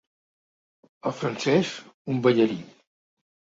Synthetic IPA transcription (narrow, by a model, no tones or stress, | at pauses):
əlˠfɾənsɛsumbəʎəɾi